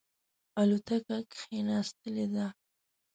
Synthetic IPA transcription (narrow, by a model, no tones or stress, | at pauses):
alut̪akakxenɑst̪əled̪a